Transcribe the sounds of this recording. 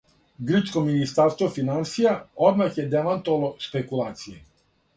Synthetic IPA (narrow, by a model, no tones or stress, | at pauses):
ɡr̩t͡ʃko̞minist̪aɾst̪vʋo̞finansijaod̪maxjed̪emant̪oʋalo̞spekulˠaːt̪sije